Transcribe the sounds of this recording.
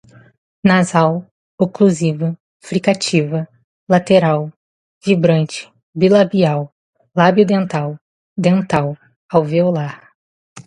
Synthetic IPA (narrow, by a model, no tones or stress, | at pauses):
nazaw | okluzivɐ | fɾikat͡ʃivɐ | lat̪eɾaw | vibɾɐ̃nt͡ʃɪ̥ | bilabiaw | labjud̪ẽnt̪aw | d̪ẽnt̪aw | awviolaɾ